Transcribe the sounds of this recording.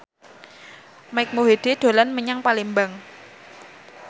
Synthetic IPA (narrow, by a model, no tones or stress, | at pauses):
maɪk̚moɦed̪̥ed̪̥o̤lanməɲaŋpalimbaŋ